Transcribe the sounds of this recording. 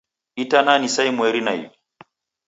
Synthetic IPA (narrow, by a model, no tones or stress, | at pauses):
ʔitananisajmueɾinaj